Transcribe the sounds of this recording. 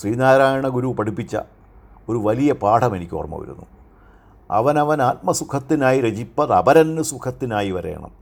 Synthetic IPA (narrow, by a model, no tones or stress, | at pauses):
sriːnaːjɾaːjɐɳɐɡuɾupɐɽupːit͡ɕːɐ̰ | o̞ɾuʋɐlijɐpaːʈʰɐme̞nikʲːo̰ːrɐmːɐ̰ːʋḭɾṵnːṵ | ɐ̰ʋɐnɐʋɐnaːt̪̚mɐsukʰɐt̪ːinaːjiɾed͡ʑipːɐðɐ̰bɐɾɐnːɨsukʰɐt̪ːinaːjiʋɐɾe̞̰ːɳɐ̰m